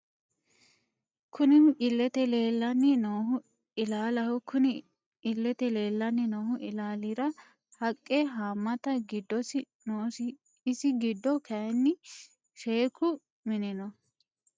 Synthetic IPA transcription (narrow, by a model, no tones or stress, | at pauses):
kʰʊnɪnɪlːɛt̪ɛleːlːɐnːɪnɔhʊ | ɪlaːlɐhɔkʰʊnɪ | ɪlːɛt̪ɛle̞ːlːɐnːɪnɔːhʊʔɪlaːlɪɾɐ | hɐkʼːɛɦaːmːɐt̪ɐɡɪd̪ːɔsɪ | noːs | ɪsɪɡɪd̪ːɔkʰɐɛnːɪ | ʃeːkʰʊ | mɪnɪnɔ